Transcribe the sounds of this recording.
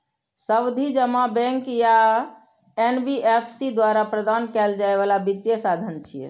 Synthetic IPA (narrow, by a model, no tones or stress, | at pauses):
səbd̪ʱid͡ʒəmabɛ̃ŋkja | enbiʔepʰsid̪waɾapɾəd̪ankɛld͡ʒaeβalabit̪jəsad̪ʱənt͡ʃʰijɛ̰